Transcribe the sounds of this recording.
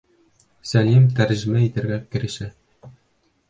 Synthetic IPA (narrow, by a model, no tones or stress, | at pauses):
sælimt̪æɾʑɘ̆mæit̪ɘ̆ɾɡækɘ̆ɾɘ̆ʃæ